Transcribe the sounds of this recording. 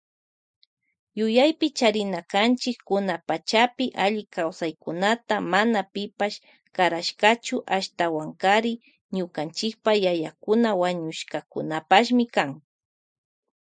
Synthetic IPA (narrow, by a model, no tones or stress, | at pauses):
jʊjajpɪt͡ʃaɾɪnakant͡ʃɪkːʊnapat͡ʃapɪʔaʎɪkawsajkʊnat̪amanapɪpaʃ | kaɾaʃkat͡ʃʊʔaʃt̪awaŋkaɾɪ | ɲʊkant͡ʃɪk̚pajajakʊnawaɲʊʃkakʊ̰napaʃ̬mɪkaŋ